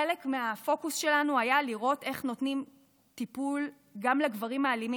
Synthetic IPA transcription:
elekmeafo̞kusʃe̞lanuajaliʁo̞te̞χno̞tnim | tipul | ɡamleɡvaʁimaːlimi

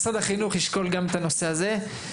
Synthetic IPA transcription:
sad̪aχinuχiʃko̞lɡamet̪ano̞se̞aze̞

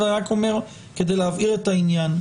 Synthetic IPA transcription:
daʁakomeʁ | ked̪ejlaviɾet̪ainjan

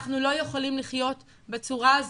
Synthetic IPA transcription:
χnulo̞jeχolimliχjo̞t | bet͡suʁaz

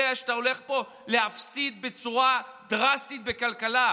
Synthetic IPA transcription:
eaʃt̪aole̞χpo̞ | le̞hafsid̪̚be̞t͡suʁad̪ʁast̪it̪̚be̞kalkala

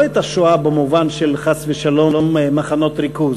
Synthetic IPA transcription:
et̪aʃoabemuvanʃelχasveʃalo̞lommaχanot̪ɾikuz

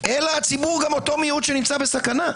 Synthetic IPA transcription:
ʔelaat͡sibuʁɡamot̪o̞mijut̪ʃenimt͡sabesakana

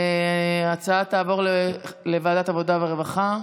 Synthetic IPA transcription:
at͡saat̪aːvo̞ʁlelevaːd̪at̪avo̞d̪aveʁevaχa

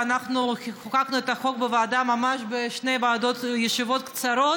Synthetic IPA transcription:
anaχnuχakaknuet̪ɐχo̞k̚bevaad̪amamaʃbeʃnejbaːd̪ot̪jeʃivot̪kt͡saɾo

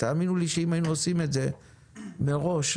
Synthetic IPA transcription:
t̪aːminuliʃeimajinuosime̞tze̞ | meʁo̞ʃ

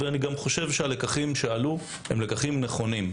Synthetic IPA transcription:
veaniɡamχo̞ʃe̞vʃeale̞kaχimʃealu | hemlekaχimneχo̞nim

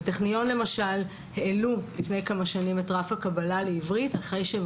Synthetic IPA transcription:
teχnijo̞nle̞maʃal | he̞ːlulifne̞jkamaʃanimetʁafhakabalaleivʁitaχʁe̞jʃe

